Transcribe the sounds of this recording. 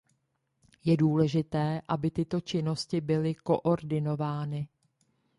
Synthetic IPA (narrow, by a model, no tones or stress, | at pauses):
jɛduːlɛʒɪt̪ɛːʔabɪt̪ɪt̪o̞t͡ʃɪno̞scɪbɪlɪko̞ʔo̞ɾdɪno̞vaːnɪ